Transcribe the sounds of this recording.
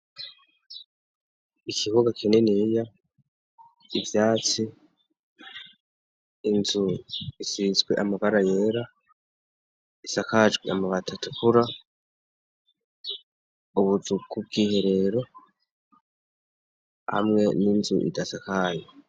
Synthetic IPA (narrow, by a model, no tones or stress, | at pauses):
ikʰiβuɡakinenija | ivjaːt͡si | nzuisizɡwe̞ʔamaβaɾaje̞ːɾa | isakad͡ʒɡweamaβatʰatʰukuɾa | uβuzukub̚ɡiːhe̞ɾe̞ɾo̞ | ha̰mŋe̞ninzṵʔḭdasakaje